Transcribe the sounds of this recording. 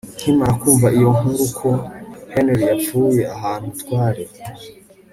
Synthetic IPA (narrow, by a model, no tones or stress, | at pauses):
n̥himaɾakuːɱvaʔijo̞ŋuɾukʰoheneɾjap͡fuːje̞aɦaːn̥utkwaːɾe